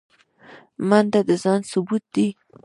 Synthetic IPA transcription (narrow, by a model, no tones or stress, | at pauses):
mand̪ad̪əzɑnsʊbut̪̚d̪i